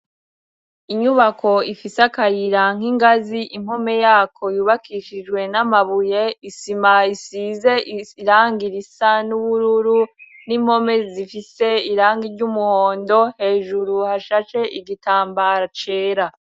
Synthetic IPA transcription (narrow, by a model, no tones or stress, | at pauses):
iɲuβakʰo̞ifisakajiɾaŋ̥iŋɡaziʔimho̞me̞jaːkʰo̞juβakʰiʃid͡ʒɡwe̞namaβujeisimaisize̞ɾaːŋɡiɾisanuβuɾuɾu | nimho̞me̞zifise̞iɾaːŋɡiɾɟumuhoːndo̞he̞ːʒuɾuhaʃat͡ʃe̞ʔiɡitaːmbaɾat͡ʃe̞ːɾa